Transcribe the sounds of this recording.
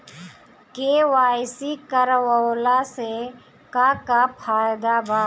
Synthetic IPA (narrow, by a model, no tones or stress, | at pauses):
keːwaːjsikəɾwoːlase | kakapʰaːjd̪abaː